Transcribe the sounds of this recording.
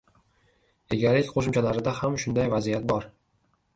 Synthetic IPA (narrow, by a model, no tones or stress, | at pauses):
eɡʲaɾɪkʲqʰoʃɪmt͡ʃʰalaɾɪd̪ahamʃʊnd̪ajvazijat̪̚bɒɾ